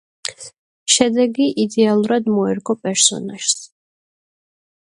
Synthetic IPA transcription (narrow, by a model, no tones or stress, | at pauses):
ʃɛd̪ɛɡiʔid̪ɛalˠuɾad̪mɔɛɾɡʼɔpʼɛɾsɔ̰naʃs